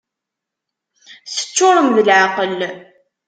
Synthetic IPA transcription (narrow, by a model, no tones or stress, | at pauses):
θə̥t͡ʃːʊɾˤəmðəlʕaqəl